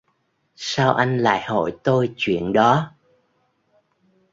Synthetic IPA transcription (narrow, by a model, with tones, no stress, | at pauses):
saː˧wʔa˧jŋ̟la̰ː˧˨jho̰˧˩˨jt̪o˧jt͡ɕwḭ˧˨ənɗɔ˨˦